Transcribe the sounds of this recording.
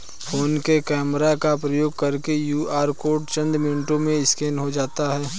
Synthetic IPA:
fʰoːnkekɛːmɾakapɾəjoːɡ̚kɐɾkejuːaːɾkoːʈt͡ʃə̃nd̪mɪnɪʈõmẽɪskɛːnɦod͡ʒaːt̪aɦɛː

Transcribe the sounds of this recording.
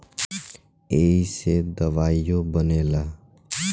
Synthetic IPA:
eːised̪əʋaːijõbəneːlaː

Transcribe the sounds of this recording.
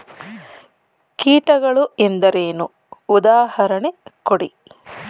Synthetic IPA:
kiːʈɐɡɐɭuend̪ɐɾeːnuː | d̪aːhɐɾɐɳekoɽḭ

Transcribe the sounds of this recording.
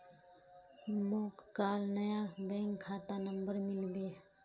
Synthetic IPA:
mokkaːlnəjabɛ̃ŋkʰːaːt̪anəmbəɾmɪlbe

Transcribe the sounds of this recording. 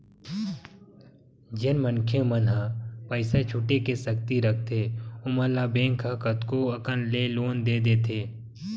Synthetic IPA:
d͡ʒɪnmənkʰemənɦapəɪset͡ʃʰʊʈekesək̚t̪iɾək̚ʰt̪eːʊməlabẽːŋkʰakət̪koɐkənleːloːnd̪eːd̪eːt̪ʰeː

